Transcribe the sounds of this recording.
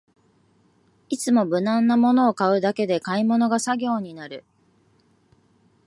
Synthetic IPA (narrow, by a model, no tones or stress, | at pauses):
it͡sɨmo̞bɯ̟nãnːamo̞no̞ːkaɯ̟d̪ake̞d̪e̞kaimo̞no̞ɡasaɡʲo̞ːɲ̟inaɾɯ̟